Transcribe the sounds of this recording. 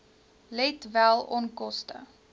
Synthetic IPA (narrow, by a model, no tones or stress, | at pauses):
lɛtvælˠɔnkɔstə̰